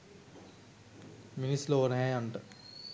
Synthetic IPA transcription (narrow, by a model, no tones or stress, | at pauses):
minisːloːənəɦɛaɳʈə